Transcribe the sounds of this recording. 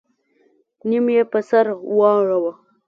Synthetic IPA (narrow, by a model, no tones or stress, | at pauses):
nimjepəsaɾwɑɻawa